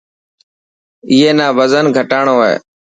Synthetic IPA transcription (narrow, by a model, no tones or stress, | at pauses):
ɪːeːnaːʋəzənɡʱəʈaːɳoːḛː